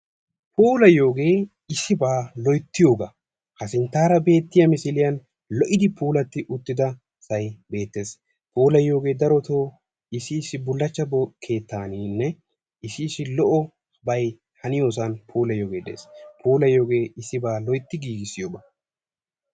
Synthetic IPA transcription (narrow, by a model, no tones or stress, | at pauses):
pʰuːlɐjo̞ːɡe̞ː | ɪsːɪbaːlɔjt̪ːɪjo̞ːɡɐ | hɐsɪnt̪ːaːɾɐbe̞ːt̪ːɪjɐmɪsɪlɪjɐn | lɔʔɪd̪ɪpʰuːlɐt̪ːɪʔʊt̪ːɪd̪ɐ | sɐjbe̞ːt̪ːe̞ːs | puːlɐjo̞ːɡe̞ːd̪ɐɾɔt̪oː | ɪsɪːsɪbʊlːɐt͡ʃːɐbkʰe̞ːt̪ːaːniːnːɛ | ɪsɪːsɪlɔʔɔ | bɐj | hɐnɪjo̞ːs̬ɐnpʰuːlɐjo̞ːɡe̞ːd̪ḛːspʰuːlɐjːo̞ːɡe̞ːɪsːɪbaːlɔjt̪ːɪɡiːɡɪsɪjoːɡɐ